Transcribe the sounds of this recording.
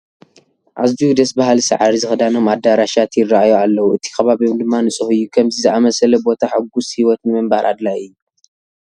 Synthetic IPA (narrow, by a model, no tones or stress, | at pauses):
ʔazbiud̪ɐsbaɦalsa̰ʕaɾizɨxɨd̪ano̞mad̪aɾaʃat̪ʰjɪrːaʔajoalːɐwuʔɨt̪ʰi̥kʰɐβaβiomd̪ɨmːanɨt͡sʼɨhɨjːukʰɐmzizɨʔamɐsɐlɐbo̞t̪ʰaħɨɡːushiwɔt̪nɨmɨmbaɾʔa̰d̪lajɨjːu